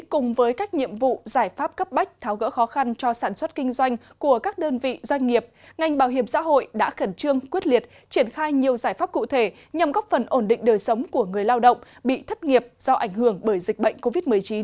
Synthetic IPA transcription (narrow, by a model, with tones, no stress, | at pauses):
kʊ˨˩ŋ͡mvəː˨˦jkaː˦˥k̚ɲḭ˧˨əmvṵ˧˨zaː˧˩jfaː˦˥p̚kə˦˥p̚ɓa˦˥jk̟̚t̪ʰaː˨˦wɣə̰˧˥xɔ˨˦xa˧nt͡ɕɔ˧saː˧˩nswə˦˥t̚kï˧ŋ̟zwa˧jŋ̟ | ku˧˩əkaː˦˥k̚ɗəː˧nvḭ˧˨zwa˧jŋ̟ŋi˨˩əp̚ŋa˨˩jŋ̟ɓaː˧˩wɦi˧˩əmsa̰ː˧˥ɦo̰˧˨jɗa̰ː˧˥xə˧˩nt͡ɕɨ˧əŋkwət̚li˨˩ət̚ | t͡ɕi˧˩ənxaː˧jɲi˨˩əwzaː˧˩jfaː˦˥p̚kṵ˧˨t̪ʰe˧˩ | ɲa˨˩mɣɔ˦˥p̚fə˨˩nʔo˧˩nɗḭ̈˧˨ŋ̟ɗəː˨˩jsə˨˦wŋ͡mku˧˩əŋɨ˨˩əjlaː˧wɗə̰˧˨wŋ͡mɓḭ˧˨t̪ʰə˦˥t̚ŋi˨˩əp̚z̥ɔ˧ʔa˧˩jŋ̟ɦɨ˧˩əŋɓəː˧˩jzï˨˩k̟̚ɓə̰˧˨jŋ̟ko˧vi˦˥t̚mɨ˨˩əjt͡ɕi˨˦n